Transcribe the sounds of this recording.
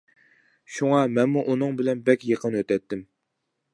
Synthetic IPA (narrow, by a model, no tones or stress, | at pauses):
ʃuŋɑmɛnmuʔunɨŋbɪlɛnbɛkʲjəqʰənwøt̪ɛt̪ːɪm